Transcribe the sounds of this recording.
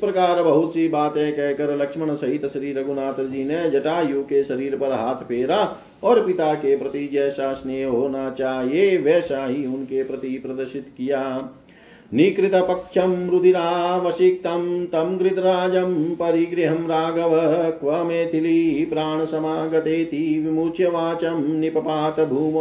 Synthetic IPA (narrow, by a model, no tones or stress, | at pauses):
pɾɐkaːɾbɐɦʊt̪sibaːt̪ekɛɦkɐɾlɐkʂmɐɳ̃ɐsɐɦit̪ʃɐɾiːɾɐɡunaːt̪ɐɾd͡ʒiːned͡ʒɐʈaːjuːkeʃɐɾiːɾpɐɾɦaːt̪ʰpʰeːɾaː | ɔːɾpɪt̪aːkepɾɐt̪id͡ʒɛːʃaːsnejɦoːnat͡ʃaːɦieʋɛːʃaːɦiʊnkepɾɐt̪ipɾɐd̪ɐɾʃɪt̪kijaː | nikɾɪt̪ɐpɐkʃɐmɾud̪ʱiɾaːʋɐsik̚t̪ɐmt̪ɐmɡɾɪt̪ɐɾaːd͡ʒɐmpɐɾiɡɾiɦɐmɾaːɡɐʋɐkʋɐmeːt̪ʰilipɾaːɳ̃ɐsɐmaːɡɐt̪eːt̪ʰiʋimuːt͡ʃjɐʋaːt͡ʃɐmnipɐpaːt̪ɐbʱuːm